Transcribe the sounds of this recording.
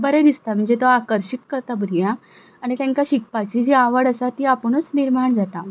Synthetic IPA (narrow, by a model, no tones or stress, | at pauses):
bəɾəd̪ist̪am̤əɳd͡zet̪ɔakəɾɕit̪kəɾt̪abɾijã | aɽ̃it̪ãŋkaɕik̚pat͡ɕid͡ʑiaʋəɽəsat̪iapəɳ̃ət͡sniɾmaɳd͡zat̪a